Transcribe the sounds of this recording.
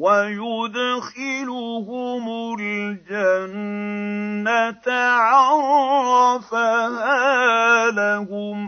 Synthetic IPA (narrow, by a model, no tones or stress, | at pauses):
wajʊd̪xɪlʊhʊmald͡ʒanː | at̪ʕɑɾɾɑfahaːlahʊm